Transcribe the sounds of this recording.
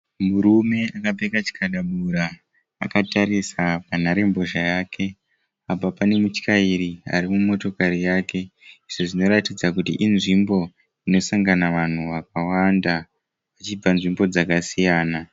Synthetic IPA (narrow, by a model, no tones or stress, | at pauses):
muɾume̞akab͡vekat͡ʃi̥kʰaɗaɓuɾa | a̰kataɾisapan̤aɾe̞mbo̞ʒajaːkʰe̞ | apapane̞mut͡ʃkaiɾia̰ɾimumo̞to̞kaɾijaːke̞iʐ̥o̞ʐino̞ɾatid͡zakutḭʔinʐimbo̞ | ino̞saŋɡanaʋan̤uʋak̚awanda | ʋat͡ʃib͡vanʐimbo̞d͡zakasijaːna